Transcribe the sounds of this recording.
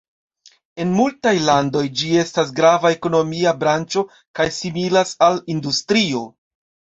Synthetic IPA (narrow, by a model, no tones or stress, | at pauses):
e̞nmultajlando̞jd͡ʒie̞stas̬ɡɾavae̞ko̞no̞miabɾant͡ʃo̞ | kajsimilasalindustɾio̞